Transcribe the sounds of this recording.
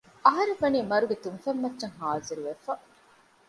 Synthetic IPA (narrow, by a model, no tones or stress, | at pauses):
ɐɦɐɾeʋɐniːmɐɾuɡet̪unfɐmːɐtːʃɐŋɦaːziɾuʋefɐ